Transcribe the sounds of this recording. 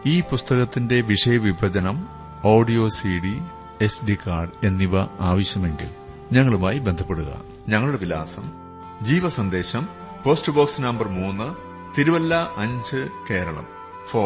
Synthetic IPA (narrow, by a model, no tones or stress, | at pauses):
iːpust̪ɐɣɐt̪ːinde̞ʋiʂɐjɐʋibʱɐd͡ʑɐnɐm | oːɖijo̞ːsiɽi | e̞sɖikaːrɖe̞nːiʋɐaːʋɐɕjɐme̞ŋɡḭl | ɲɐŋːɐɭumaːjibend̪ʱɐpːe̞ɽuɣɐ̰ | ɲɐŋːɐɭuɽeʋila̰ːsɐm | d͡ʑiːʋɐsɐnd̪e̞ːɕɐm | po̞ːstɨbo̞ːksnɐmbɐrmuːnːɨ | t̪iɾuʋɐlːɐʔɐɲd͡ʑɨke̞ːɾɐɭɐ̰m | foː